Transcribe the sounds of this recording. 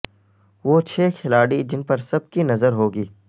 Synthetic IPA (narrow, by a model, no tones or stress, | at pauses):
ʋoːt͡ʃʰeːkʰɪlaːɽid͡ʒɪnpɐɾsɐb̚kinɐzəɾɦoːɡiː